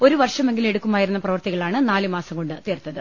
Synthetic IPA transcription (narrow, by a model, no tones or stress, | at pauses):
o̞ɾuʋɐrʂɐme̞ŋɡile̞ɽukːumaːjiɾunːɐprɐʋɐrt̪iɣɐɭaːɳɨnaːlɨmaːsɐmko̞ɳɖɨt̪eːrt̪ːɐðɨ